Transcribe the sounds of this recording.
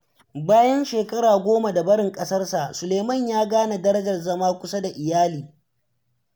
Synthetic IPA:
baː˦jɐ˦nʃeː˨kʼɐ˦ɽaː˨ɡʷoː˦ma˨da˨bɐ˦ɽɪ˨ŋkʼɐ˦sɐ˦rsa˨ʔsʊ˨le˨mɐ˦˨ɲjaː˦ɡaː˦na˨dɐ˦ɾɐ˦d͡ʒɐ˨rzɐ˦maː˦kʷʊ˦sa˦da˨ʔɪ˨jaː˦liː˨

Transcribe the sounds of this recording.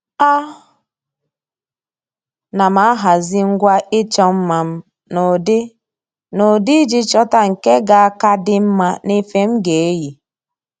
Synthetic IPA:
a˦ | na˨ma˨˦a˦ɦa˨zi˦ŋ̩˦ɡʷa˦ɪ˦t͡ʃɔ˦m̩˦ma˨m̩˦ | o˨d | no˨di˦d͡ʒi˦t͡ʃɔ˦ta˦ŋ̩˨ke˦ɡa˨a˦ka˦dɪ˦m̩˦ma˦ne˦fe˦m̩˦ɡe˨e˦ji˨

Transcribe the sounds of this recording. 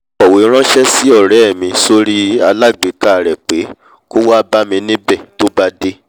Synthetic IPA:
ɔ˨we˨˦ɾ̃ã˦ʃɛ˦si˦ɔ˦˨ɾɛ˨ɛ˦˨mĩ˧so˦ɾi˦a˧la˦˨ɡ͡be˨˦ka˦˨ɾɛ˨k͡pe˨˦ | ko˦wa˦ba˦mĩ˧nĩ˦bɛ˦˨to˦ba˧de˦

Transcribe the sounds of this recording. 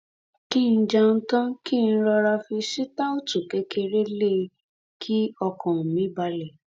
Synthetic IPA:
ki˦n̩˦d͡ʒa˧n̩˦tã˦ki˦˨˧n̩˦ɾɔ˧ɾa˧fi˧ʃi˦ta˦o˦tu˦˨ke˨˦kʰe˧ɾe˦le˦˨ | kʰi˦ɔ˧kɔ̃˨mĩ˨˦ba˧lɛ˨

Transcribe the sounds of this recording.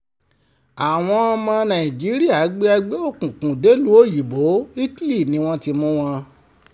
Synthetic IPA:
a˨w̃ɔ̃˧mɔ̃˧nã˨ĩ˨d͡ʒi˨˦ɾi˦a˦˨˦ɡ͡be˦a˧ɡ͡be˦o˦˨kũ˨kũ˨de˨˦lu˨˦o˦˨ji˨bo˨˦i˦ti˦li˦˨nĩ˨˦w̃ɔ̃˦ti˧mũ˦w̃ɔ̃˧

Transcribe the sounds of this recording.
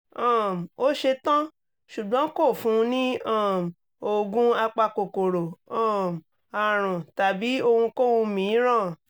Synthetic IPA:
ã˦˨m˨o˦ʃe˧tã˦ | ʃu˨ɡ͡bɔ̃˨˦ko˦˨fũ˦˧nĩ˦ã˦˨m˨ | o˦ɡũ˦a˧k͡pa˧ko˨ko˨ɾo˨ɔ̃˦˨m˨ | a˨ɾ̃ũ˨ta˨bi˨˦o˧hũ˧ko˦wũ˧mĩ˨˦ɾ̃ã˦˨

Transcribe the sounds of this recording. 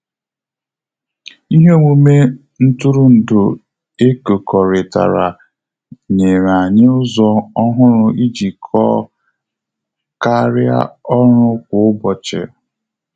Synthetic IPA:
i˦ɦe˦ŋʷu˦me˦ | n̩˦tu˦ɾu˦n̩˨dʊ˨ | e˦ko˨kɔ˨ɾɪ˨ta̰˨ɾa̰˨ | ɲe˨ɾa˨ɲɪ˦ʊ˦zɔ˦ɔ˦ɦʊ˦ɾʊ˦i˦d͡ʒi˨kʰɔ˦ | ka˦ɾja̰˦ɔ˦ɾʊ˦kʷʊ˨ʊ˦bɔ˨t͡ʃḛ˨

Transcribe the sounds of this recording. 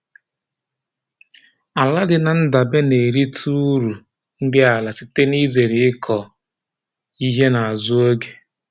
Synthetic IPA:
a˨la˦dɪ˨na˨n̩˦da˨be˦ne˨ɾi˦tʰu˦ɾu˨ | n̩˦dɪ˦a˨la˨sɪ˦te˦ni˦ze˨ɾɪ˨ɪ˦kʰɔ˨ | i˦ɦe˦na˨a˨zʊ˦o˦ɡe̥˦

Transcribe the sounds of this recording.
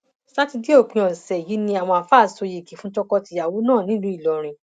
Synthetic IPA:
sa˦ti˧di˦o˦˨kĩ˨˧ɔ̃˨sɛ˨ji˨˦nĩ˧a˨w̃ɔ̃˧a˨fa˦˨so˧ji˨ki˨fũ˦tɔ˧kɔ˧ti˧˨ja˨wo˨˦nãː˦˨nĩ˦ũ˦i˦˨lɔ˨ɾ̃ĩ˧˨

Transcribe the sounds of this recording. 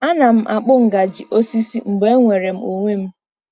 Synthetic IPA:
a˦na˨m̩˦ʔa˨k͡pʊ˦ŋ̩˨ɡa˨d͡ʒi˨ʔo˦si˦si˦m̩˨ɡ͡be˦ŋʷe˨ɾe˨m̩˦o˨ŋʷe˦m̩˦

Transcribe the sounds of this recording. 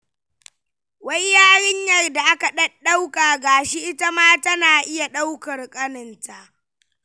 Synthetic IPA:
wɐ˦jjaː˦ɽɪ˦ɲjɐ˨rda˨ʔa˦ka˨ɗɐ˦ɗːa˦wkaː˨ɡaː˨ʃi˦ʔɪ˦ta˦maː˦tɐ˦naː˨ʔɪ˦ja˨ɗa˦wkɐ˨rkʼɐ˦nɪ˨nta˨ʔ

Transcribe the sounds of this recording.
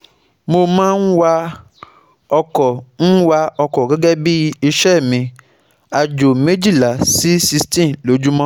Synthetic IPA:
mo˧mãː˦n̩˦wa˧ | ɔ˧kɔ˨n̩˦wa˧ɔ˧kɔ˨ɡɛ˨˦ɡɛ˦bi˦i˧ʃɛ˦˨mĩ˧ | a˨d͡ʒo˨mẽ˦d͡ʒi˦˨la˨si˦si˦˧stĩ˦˨lo˨˦d͡ʒu˦mɔ̃˦

